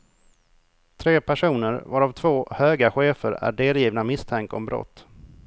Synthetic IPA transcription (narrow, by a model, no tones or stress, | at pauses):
t̪ʰɾeːpʰæʂuːnəɾvaɾavt̪ʰvoːhøːɡaɧeːfə̰ɾæ̰ɖeːljiːvnamɪst̪ʰɛŋkɔ̰mbɾʔɔ̰t̪ː